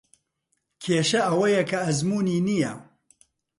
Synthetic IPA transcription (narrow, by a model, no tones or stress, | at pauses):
kʰeːʃɐʔɐwɐjɐkʰɐːzmuːniːnijɐ